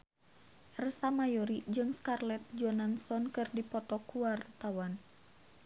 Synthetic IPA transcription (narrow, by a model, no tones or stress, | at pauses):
rəsamajɔɾid͡ʒɨŋskarlɛt̪̚d͡ʒɔnansɔnkɨrdipɔt̪ɔkuart̪awan